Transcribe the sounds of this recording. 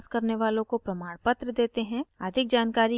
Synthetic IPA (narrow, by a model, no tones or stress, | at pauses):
skɐɾneʋaːlõkopɾɐmaːɽpət̪ɾəd̪eːt̪eɦɛ̃əd̪ʱɪk̚d͡ʒaːnkaːɾi